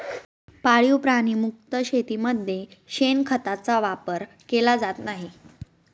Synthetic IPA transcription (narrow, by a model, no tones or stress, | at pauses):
paɭjupɾañimuk̚t̪əɕet̪iːməd̪ʱjeɕenkʰət̪at͡saʋapəɾ | kelad͡zat̪naɦi